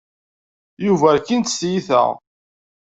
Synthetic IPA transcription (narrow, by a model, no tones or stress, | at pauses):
juvækint̪sjiθæ̰ʁ